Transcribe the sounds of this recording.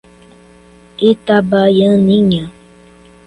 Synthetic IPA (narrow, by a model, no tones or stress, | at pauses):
etabajənĩɲa